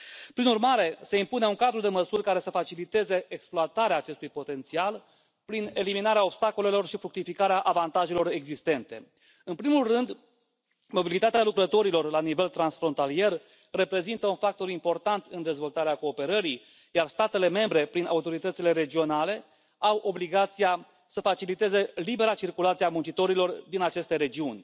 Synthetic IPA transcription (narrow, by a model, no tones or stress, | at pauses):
pɾinurmaɾe̞se̞impuneuŋkad̪ɾud̪e̞məsurʲkaɾe̞səfat͡ʃilit̪e̞ze̞eksploat̪aɾeaːt͡ʃe̞st̪ujpo̞t̪e̞nt̪sial | pɾine̞liminaɾeao̞bst̪ako̞le̞lo̞rʃifɾuk̚t̪ifikaɾeaʔavant̪aʒe̞lo̞ɾe̞ɡzist̪e̞nt̪e̞̰ | ɨnpɾimulrɨnd̪ | mo̞bilit̪at̪ealukɾət̪o̞ɾilo̞rlanive̞lt̪ɾansfɾo̞nt̪alie̞r | re̞pɾe̞zint̪əunfak̚t̪o̞ɾimpo̞rt̪ant̪ɨnd̪e̞zvo̞lt̪aɾeako̞ːpe̞ɾəɾi | jarst̪at̪e̞le̞me̞mbɾe̞pɾina̰ut̪o̞ɾit̪ət̪sile̞ɾe̞d͡ʒio̞nale̞ | awʔo̞bliɡat̪sija | səfat͡ʃilit̪e̞ze̞libe̞ɾat͡ʃirkulat̪siamunt͡ʃit̪o̞ɾilo̞rd̪inat͡ʃe̞st̪e̞ɾe̞d͡ʒiunʲ